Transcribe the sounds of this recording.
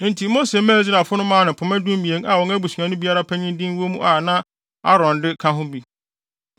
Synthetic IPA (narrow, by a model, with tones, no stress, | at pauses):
nɪ̃˨ntʰi˨˦mo˦se˨mæ̃ː˦˨˦zɪ˦ɾa˨fʊ˦nʊ̃˦mãː˦nʊ̃˨pʰʊ˨mɛ̃˦dũ˦m˦mĩ˨e˨ŋa˨wɔ̃˨ŋæ˦bu˨si˨ã˨nʊ̃˦bi˦a˦ɾa˦pʰæ˦ɲĩ˦n˦dĩ˦wo˦mũ˦ʔa˨nã˦ | a̰˦ɾɔ̃˨ndɪ˦kʰã˦ɦʊ̃˦bi˨